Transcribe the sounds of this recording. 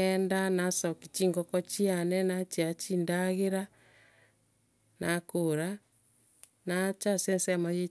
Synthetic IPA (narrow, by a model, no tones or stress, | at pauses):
ɛndanasɔki̥t͡ʃiŋɡɔkɔt͡ʃianɛnat͡ʃiat͡ʃiːndaɣeɾa | nakoɾa | nat͡ʃasɛnsamaje